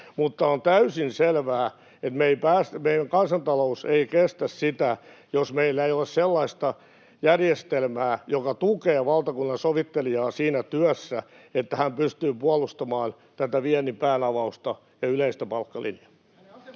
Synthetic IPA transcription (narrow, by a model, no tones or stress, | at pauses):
mut̪ːɑont̪æysinselʋæː | et̪meipæːsmeiæŋkɑnsɑnt̪ɑlouseikest̪æssit̪æ | josmeilːæeiolːesselːɑist̪ɑ | jærjest̪elmæːjokɑt̪ukeːʋɑlt̪ɑkunːɑnsoʋit̪ːelijɑːsiːnæt̪yœsːæ | et̪ːæhæmpyst̪yːpuɑlust̪ɑmɑːn | t̪æt̪æʋiɛnːipæːnɑʋɑust̪ɑ | jɑyleist̪æpɑlkːɑlḭnjɑ̥